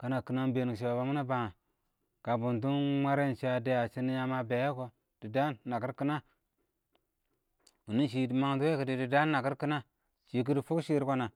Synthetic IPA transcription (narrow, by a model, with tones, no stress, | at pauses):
ka˨na˨ki˦na˦n˦be˨ni˨ʃ̬i˨ba˨ba˨mu˦na˦ba˨ŋa˨ | ka˨bu˨nt̬u˦nmʷa˦ɾe˦n˨t͡ʃa˨de˦ja˨t͡ʃi˦n˦ja˦ma˦be˨je˦ko˦ | d̥i˨da˦nːa˨ki˦ɾki˦na˦ | u˨ni˦ʃi˨ma˦ŋtu˦we˦ki˨di˨di˨da˦nː˦a˨ki˦ɾki˦na˦ | ʃi˨k̬i˦di˦fu˦kʃi˦ɾko˦na˨